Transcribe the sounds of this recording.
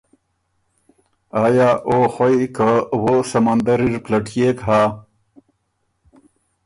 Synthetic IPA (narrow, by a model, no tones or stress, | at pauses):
aːjaʔoxwajkawosamand̪aɾiɾplaʈjekɦaː